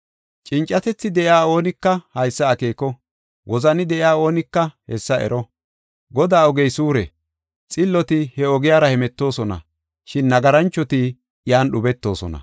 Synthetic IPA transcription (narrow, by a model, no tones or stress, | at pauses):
t͡ʃʼɪnt͡ʃʼːɐt̪ɛt͡sːɪd̪ɛʔjaːo̞ːnɪkːɐhɐjsːɐːkeːkːɔ | wʔɔzɐnɪd̪ɛʔɪaːo̞ːnɪkːɐhɛsːɐʔɛ̰ɾɔ | ɡɔd̪aːɔɡɛjsuːɾɛ | t͡sʼɪlːɔt̪ɪhɛɔɡɪjaːɾɐhɛmɛt̪ːo̞ːsɔnɐ̰ | ʃɪnːɐɡɐɾɐnt͡ʃːɔt̪ɪ | jaːnɗʊbɛt̪ːo̞ːsɔ̰nɐ̰